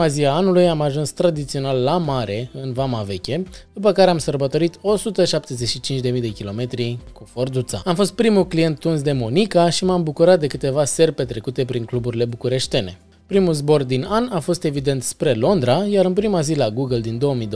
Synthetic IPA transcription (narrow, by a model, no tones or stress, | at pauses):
aziaanulujamaʒunst̪ɾad̪it̪sio̞nalːamaɾe̞ɨnvamave̞kʲe̞d̪up̬əkaɾeamsərbət̪o̞ɾit̪o̞sut̪əʃap̚t̪e̞zeʃit͡ʃint͡ʃd̪e̞mijd̪e̞kʲilo̞me̞t̪ɾikufo̞rd̪ut̪saamfo̞st̪̚pɾimuklije̞nt̪ːuns̬d̪e̞mo̞nikaʃimambukuɾat̪̚d̪e̞kɨt̪e̞vase̞rpe̞t̪ɾe̞kut̪e̞pɾiŋklubuɾile̞bukuɾe̞ʃt̪e̞ne̞̰ | pɾimulzbo̞rd̪inanafo̞st̪e̞vid̪e̞nt̪spɾe̞lo̞nd̪ɾajaɾɨnpɾimazilaɡuɡəld̪ind̪o̞əmijd̪o